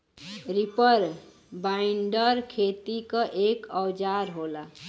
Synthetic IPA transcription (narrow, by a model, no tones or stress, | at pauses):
ɾipəɾ | bajiɳɖəɾkʰet̪ikəʔekəwd͡ʒaɾɦola